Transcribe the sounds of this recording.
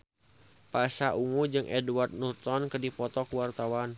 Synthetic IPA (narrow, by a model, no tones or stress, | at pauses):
pasaʔuŋud͡ʒɨŋʔɛduart̪̚nurt̪ɔnkərdipɔt̪ɔkuwart̪awan